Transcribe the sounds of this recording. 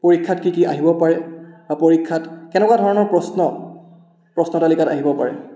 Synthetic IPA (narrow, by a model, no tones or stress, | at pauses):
poɹikʰːatkikiʔaɦibɔpaɹɛapoɹikʰːatkɛnɛkwadʱɔɹɔnɔɹpɹɔsnɔ | pɹɔsnɔtalikata̰ɦibɔpa̰ɹɛ̰